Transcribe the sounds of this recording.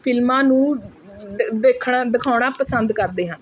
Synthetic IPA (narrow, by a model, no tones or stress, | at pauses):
pʰɪlmãːnũː | d̪ekʰːd̪ɪkʰaːʊɽ̃aːpəsənd̪kəɾd̪eːɦãː